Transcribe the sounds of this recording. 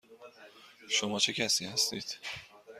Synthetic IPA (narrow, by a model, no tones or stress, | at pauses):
ʃomɒːt͡ʃʰe̞cʰæsiːhæst̪iːd̪̥